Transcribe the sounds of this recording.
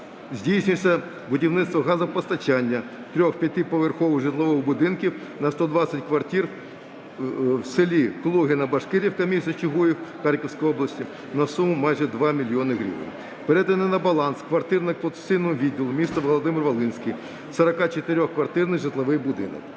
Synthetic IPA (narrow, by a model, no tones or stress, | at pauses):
zʲdʲijsʲnʲʊsʲɐ | bʊdʲiwnɪt̪st̪ʋɔɦɑzɐpɔst̪ɐt͡ʃanʲːɐ | t̪ɾʲɔxpʲjɐt̪ɪpɔʋerxɔʋʊʐɪt̪lˠɔʋɪwbʊd̪ɪnkʲiw | nɐst̪ɔd̪ʋɑsʲɐtʲkʋɐrtʲir | wsɪlʲiklˠuɦɪnɐbɐʃkɪɾʲiwkɐmʲisɐt͡ʃɪɦujiwxɑɾʲkɔwsʲkɔjɔblˠɐsʲtʲi | nɐsumʊmɑjʒɛd̪ʋɑmʲilʲjɔnɪɦɾʲḭʋɪ̰nʲ | peɾɛt̪ɐnɪnɐbɐlˠɑnskʋɐrt̪ɪrnɪkplˠɔt̪se̥sɪjnɔmʊʋʲidʲːilˠʊmʲist̪ɐʋɔlˠɔd̪ɪmɪrʋɐlˠɪnʲsʲkʲij | sɐɾɐkɑt͡ʃet̪ɪɾʲɔxkʋɐrt̪ɪrnɪjʒɪt̪lˠɐʋɪjbʊd̪ɪ̰nɔ̰k̚